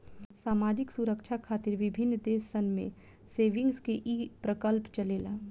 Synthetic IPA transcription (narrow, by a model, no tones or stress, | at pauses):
saːmaːd͡ʒɪksʊɾəkʃʰakʰaːt̪ɪɾʋɪbʱɪnːd̪eːsːənmḛ̃ | seːʋɪ̃ŋɡskeʔiːpɾəkəlpt͡ʃɐleːlaː